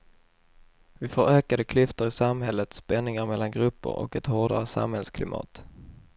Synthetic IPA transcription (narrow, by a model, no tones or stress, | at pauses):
vɪfoːɾøːkad̪əkʰlʏft̪əɾɪsamhɛlːət̪spɛnːɪŋaɾmɛlːanɡɾɵpːə̰ɾɔ̰kɛt̪hoːɖa̰ɾəsa̰mhɛlskʰlɪmɑ̰ːt̪